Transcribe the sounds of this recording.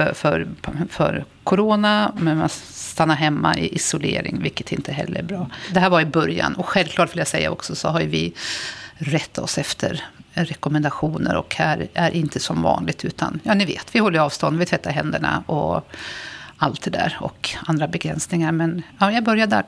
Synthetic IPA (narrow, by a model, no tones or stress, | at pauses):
fœɾfœ̰ɾ | kʰʊɾoːnamɛnmast̪ʰanːaɾɦɛmːaʔɪʔɪsʊlḛːɾɪ̰ŋvɪlkːə̥t̪ʰɪnt̪ʰəɦɛ̰lːəɾbɾɑːd̪ɛɦæːɾvaɾɪbœɾja̰nɔɧɛlvklɑːʈvɪljasɛjːa̰ɔksɔsɔɦaɾjɵvɪ | ɾɛt̪ʰːaɔsɛft̪ʰə̰ɾɾɛkɔmɛnd̪aɧuːnə̰ɾɔ̰khæɾæɾʔɪnt̪əsɔmvɑ̰ːnlɪɡ̚t̪ʰʉ̟ːt̪ʰa̰njɑːnɪveːt̪vɪhɔlːəjɑːvst̪ɔnd̪vɪlt̪vɛt̪ːaɾɦɛnd̪əɳa̰ɔ | alt̪̚d̪ɛd̪æ̰ːɾɔ̰kand̪ɾabɛɡɾɛnsnɪŋaɾmɛnjɑːjɑɡbœɾjad̪æ̰